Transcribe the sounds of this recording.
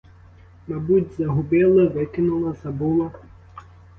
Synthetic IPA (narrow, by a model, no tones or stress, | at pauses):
mabud͡zʲzɐɦubʲɛlˠɐvɨkʲinulˠɐzabulˠɐ